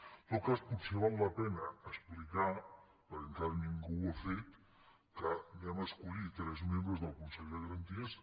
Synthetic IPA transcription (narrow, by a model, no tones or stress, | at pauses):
t̪ot̪̚kasput̪seβ̞alˠːəpɛnəːsplika | pəɾəŋk̪aɾniŋɡuafet̪ | kənaməskuɾit̪ɾɛzmẽmbɾəzðəlˠkunseʎðəɣəɾənt̪iəs